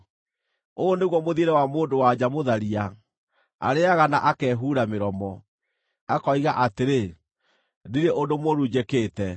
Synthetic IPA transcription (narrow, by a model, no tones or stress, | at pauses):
oneɣwɔmoðieɾɛwamoːndowad͡ʑamoðaɾia | a̰ɾeaɣanaʔakɛːɦuːɾameɾɔmɔ | akɔiɣaʔateɾe | diɾeʔondomwɔɾuːd͡ʑekeːtɛ